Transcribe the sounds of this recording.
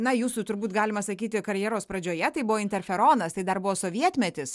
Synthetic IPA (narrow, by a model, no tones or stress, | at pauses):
nɐjuːsut̪ʊɾbuːt̪ɡɑːlʲɪmɐsɐkʲiːt̪ʲɪkɐɾʲjɛːɾoːspɾɐd͡ʒʲoːjɛt̪ɐɪbʊʋoːɪnt̪ʲɛɾʲfʲɛɾoːnɐst̪ɐɪd̪ɐɾbʊʋoːsoːʋʲiɛt̪ʲmʲɛt̪ʲɪs